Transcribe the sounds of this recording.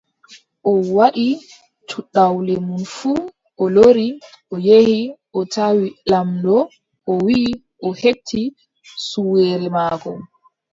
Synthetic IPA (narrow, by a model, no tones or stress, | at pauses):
ʔɔwaɗi | tʰuɗawlɛmunfuː | ʔɔloɾi | ʔɔjehiʔɔtawilamdɔ | ʔɔwi | ʔɔhetʰːi | suwɛːɾɛmaːkɔ